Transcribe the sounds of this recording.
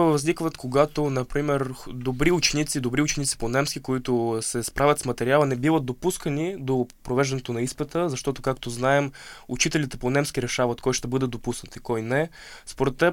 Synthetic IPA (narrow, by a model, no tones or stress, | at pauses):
vɐznikvət̪koɡat̪onɐpɾimɛɾd̪obɾiʊt͡ʃɛnit̪sid̪obɾiʊt͡ʃɛnit̪si̥ponɛmskʲikoit̪ʊsɛspɾavʲjət̪smɐt̪ɛɾialˠənɛbivət̪̚d̪opuskənid̪opɾovɛʒd̪ɐnɛt̪onɐispɛt̪əzɐʃt̪ɔt̪ʊkakt̪oznaɛmṵt͡ʃit̪ɛlʲit̪ɛponɛmskʲiɾɛʃavət̪kɔjʃt̪ɛbɤd̪ɛd̪opusnət̪ikɔjnɛ | spoɾɛt̪ːɛ